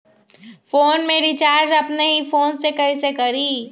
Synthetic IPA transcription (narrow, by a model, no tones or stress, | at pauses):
foːnmẽɾit͡ʃaːɾd͡ʒɐpneɦifoːnsekɐɦĩsekɐɾiː